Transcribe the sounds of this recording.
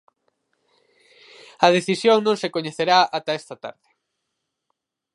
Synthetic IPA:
ɐð̞eθisjoŋnõŋsekoɲeθeɾaat̪aest̪ɐt̪a̰ɾðɪ

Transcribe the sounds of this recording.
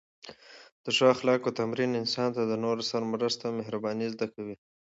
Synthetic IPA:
d̪̥əʂɑxlɑkot̪amɾinɪnsɑnt̪ad̪ənoɾosaɾmɾəst̪ameɦɾabɑnizd̪akawi

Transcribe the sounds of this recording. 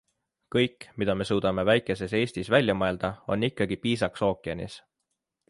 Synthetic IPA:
kɤjkːˑmid̪̥ɑme̞suːd̪̥ɑme̞væjkːˑe̞se̞se̞ːsʲt̪isvælʲjɑmɑe̞ld̪̥ɑo̞̰nːikːɑɡipiːsɑkso̞ːkˑiɑnḭs

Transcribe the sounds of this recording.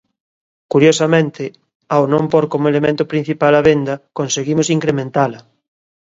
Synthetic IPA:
kuɾjosɐmẽnt̪ɪ | awnõmpoɾkomoelemẽnt̪ʊpɾin̟θipalɐβend̪ɐkonseɣimʊsiŋkɾemẽnt̪alɐ

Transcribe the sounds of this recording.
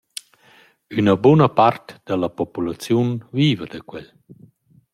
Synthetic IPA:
ynəbunəpart̪d̪̥əlapɔpulat͡sjunviːvəd̪əkwɛl

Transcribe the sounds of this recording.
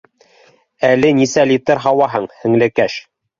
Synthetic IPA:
ælɘnisælit̪ɘɾɦɑwɑɦɤɴhɘ̆ŋlɘ̆kæʃ

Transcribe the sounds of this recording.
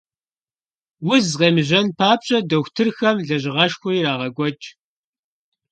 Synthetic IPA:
wʊzʁeːmɨʑɐnpʰaːpɕʼɐdɐxʷtʰɨrxɐmɮɐʑɪʁɐʃxʷʊiːɾaːʁɐɡʷɔt͡ʃʼ

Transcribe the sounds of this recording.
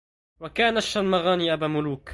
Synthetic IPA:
wakaːnaʃːalmaɣaːniːʔabaːmʊluːk

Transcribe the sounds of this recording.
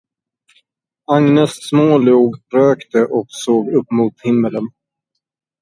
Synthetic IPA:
aŋnɛssmoːluːɡɾøːkt̪əʔɔksoːɡɵpːmuːt̪hɪmːələn

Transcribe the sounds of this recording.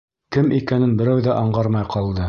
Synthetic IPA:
kɘmikænɘnbɘ̆ɾæwðæʔɑɴʁɑɾmɑjqɑlˠd̪ɤ

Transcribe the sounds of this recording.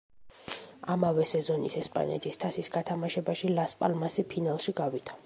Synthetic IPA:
amavɛsɛzɔnisɛspʼa̰nɛ̰t̪ʰist̪ʰasisɡat̪ʰamaʃɛbaʃilaspʼa̰lmasipʰinalˠʃiɡavit̪ʰḁ

